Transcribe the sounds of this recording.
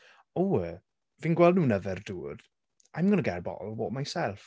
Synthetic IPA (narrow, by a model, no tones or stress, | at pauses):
owə | viːnɡwɛlˠdnuːnəvɛrduːd | ajmɡənəɡɛrbɔ̰bɔːmajsɛlˠf